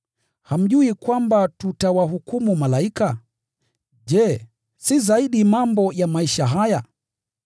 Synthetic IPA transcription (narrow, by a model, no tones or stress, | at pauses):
ham̩ʄuikwambatutawaɦukumumalaika | ʄɛ | sizaiɗimambɔjamaiʃaɦaja